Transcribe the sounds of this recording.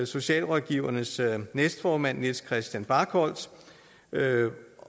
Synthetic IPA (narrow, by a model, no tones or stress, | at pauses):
so̝ɕɛ̰ːlʁɒðˠɡ̥iʊ̰ɐnəsnesd̥fɒːmæn̰ːeskʰʁɛsd̥jænb̥ɑ̈ːɡʰɒ̽l̰s